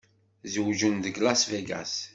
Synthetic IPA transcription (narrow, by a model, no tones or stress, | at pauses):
zwʒund̪ɡlasvæɡa̰s